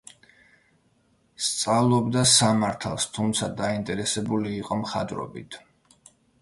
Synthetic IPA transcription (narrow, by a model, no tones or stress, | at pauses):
st̪sʼavlˠɔbd̪asamaɾt̪ʰalˠst̪ʰumt̪sʰad̪aint̪ʼɛɾɛsɛbuliːqʼɔmχad̪ɾɔ̰bit̪ʰ